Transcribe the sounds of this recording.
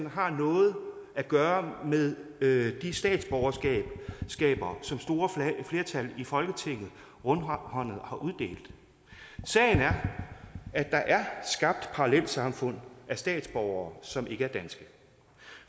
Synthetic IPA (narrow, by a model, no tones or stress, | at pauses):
nɦɑ̈nɔ̽ːð̞̩ˠæɡ̥ɶːɐmeðˠd̥isd̥ɛ̰ːd̥sb̥ɒʊɐssɡ̥ɛ̰ːb̥ɐːsɒ̽msd̥o̝ːɐfle̝ːɐt͡sʰælifɒ̽lɡ̥ət͡sʰe̝ŋ̰ð̩ˠ | ʁɔnhɒ̽n̰ð̞̩ˠhɑ̈ʔuð̞ˠd̥e̝̰ːld̥ | sɛ̰ɪnæɐ | æd̥ɑ̈ʔæɐsɡ̥ɑ̈b̥̚d̥pʰɑ̈ʁɑlel̰̥sɑ̈mfɔ̽n̰æsd̥ɛ̰ːd̥sb̥ɒʊɐːsɒ̽mʔe̝ɡ̥əæɐd̥ænsɡ̥ə